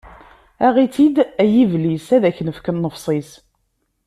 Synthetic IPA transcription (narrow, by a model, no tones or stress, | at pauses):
æʁit͡sid̪æjivlisæðæçnəfkənːəfsˤis